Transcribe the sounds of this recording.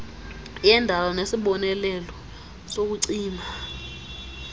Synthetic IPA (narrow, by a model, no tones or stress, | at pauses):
jɛndʱalɔnesiɓɔnɛlɛlɔ | sok̬uǀiːma